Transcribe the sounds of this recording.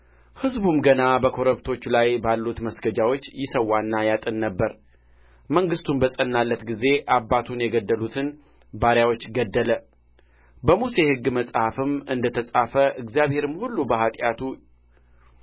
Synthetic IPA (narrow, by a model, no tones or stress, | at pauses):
hɨzbumɡənabəkʰo̞ɾəβt̪ʰo̞t͡ʃːlajbalːut̪məsɡəd͡ʒawot͡ʃːjɪsəwːanːajat̪ʼɨnːəbːəɾ | məŋɡɨst̪unbəsʼənːalːət̪ɡize̞ʔabːat̪ʰunjɛɡəd̪ːəlut̪ʰɨn | baɾjawo̞t͡ʃːɡəd̪ːələ | bəmuse̞hɨɡːməsʼhafɨmɨnd̪ət̪ʰəsʼafəʔɨɡzijaβhe̞ɾɨmhulːubəhat̪ʼjat̪ʰu